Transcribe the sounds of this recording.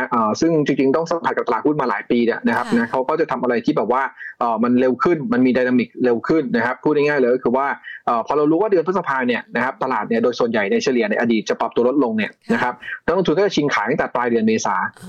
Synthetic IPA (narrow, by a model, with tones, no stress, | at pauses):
ʔɤː˩sɯ˥˩ŋt͡ɕi˧ŋt͡ɕi˧ŋt̪ɔ˥˩ŋsa˨˩˦pʰa˨˩kp̚t̪a˧aː˨˩u˥˩nmaː˧laː˩˦jpiː˧ni˥˩ɐna˦˥kʰa˦˥p̚na˦˥kʰa˦˥wkɔː˥˩t͡ɕa˨˩t̪ʰa˧mʔa˧ɾa˧jt̪ʰiː˥˩bɛː˨˩p̚waː˥˩ʔɤː˨˩ma˧nle˧wkʰɯ˥˩nma˧nmiː˧daː˧jnaː˧mi˨˩k̚le˧wkʰɯ˥˩nna˦˥kʰa˦˥pʰːuː˥˩t̚na˥˩ŋaː˥˩jlːkɔ˥kʰɯː˧waː˥˩ʔɤː˨˩pʰɔː˧ɾa˧wɾu˦˥waː˥˩dɯ˧ənp̚ʰsa˧pʰaː˧ni˥˩əna˦˥kʰa˦˥p̚t̪a˧laː˨˩t̪̚ni˥˩ədoː˧jsu˨˩ənja˨˩jna˧jt͡ɕʰaː˧li˨˩˦na˧jʔa˧diː˨˩t͡ɕa˨˩pɾa˨p̚t̪u˧ɐlo˦˥t̪̚lo˧ŋni˥˩ɐna˦˥kʰa˦˥p̚nɔ˦˥lo˧ŋt̪u˧nkɔː˥˩t͡ɕa˨˩t͡ɕʰi˧ŋkʰaː˩˦j̪a˥˩t̪ɛ˨˩plaː˧jdɯ˧ənmeː˧saː˩˦